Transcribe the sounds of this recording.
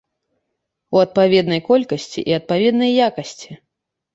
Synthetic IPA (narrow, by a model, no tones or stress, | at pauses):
uɐt̪̚pavʲɛd̪nɐjkɔlʲkɐsʲt͡sʲḭʔiɐt̪̚pavʲɛd̪nɐjːakɐsʲt͡sʲi